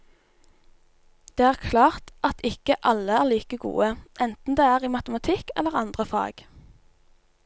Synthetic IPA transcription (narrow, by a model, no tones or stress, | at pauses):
d̪̥eːæːʁkʰlɑːʁt̪ɑt̪ɪkəʔɑləæːʁliːkəɡṵːəʔɛnt̪n̩d̪eːæːʁiːmɑt̪əmɑt̪ʰɪkɛ̰lːəʁɑnd̪ʁəfɑ̰ːɡ̥